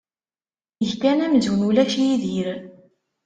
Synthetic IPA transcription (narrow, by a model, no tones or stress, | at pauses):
əʝkænæmzwənulæʃijiðiɾ